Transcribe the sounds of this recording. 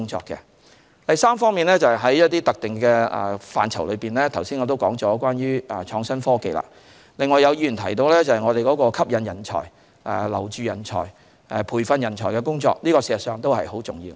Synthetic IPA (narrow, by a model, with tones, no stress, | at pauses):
ʊ˥ŋt͡ʃɔ̰ː˧kːɛ̰˧ | t̪ɐ˨jsaː˥mfɔː˥ŋmiː˨nlɛː˥t͡sɐ˨jɦɐ˨˥jjɐ˥t̚t̪iː˥t̪ɐ˨k̚t̪ɪ˨ŋkɛː˧ɛ̰˨˩fa̰ː˨nt͡sʰɐ˨˩wlɵ˨˧piː˨˩nlɛː˥t̪ʰɐ˨˩wsi˥nŋɔː˨˧t̪̬o˥wkɔː˨˥ŋt͡ʃɔː˨˦˥kwaː˥njyː˥ɛ˨t͡ʃʰɔː˨˧ŋsɐ˥nfɔː˥kḛ˨jla̰ː˧ | lɪ˨ŋːɔː˨˧jɐ˨˧wji˧˩y˨˩nt̪ʰɐ˨˩jt̪o˧wlɛː˥t͡sɐ˨hɐ˨jŋɔː˨˧ɾe˨jkɔː˨˥kɔː˧kʰɐ˥p̚jɐ˨˧njɐ˨˩nt͡ʃʰɔ̰ː˨˩j | ɛ˨lɐ̰˨˩wt͡ʃyː˨˧jɐ˨˩nt͡ʃʰɔ̰ː˨˩j | ɛ˨pʰuː˨˩jfɐ˧njɐ˨˩nt͡ʃʰɔː˨˩jkɛ˧kʊ˥ŋt͡sɔ̰ː˧k̚liː˥kɔː˧siː˧ɐ˨tsœː˨˧ŋt̪o˥whɐ̰˨jho˨˥wt͡sʊ˨ŋjiː˧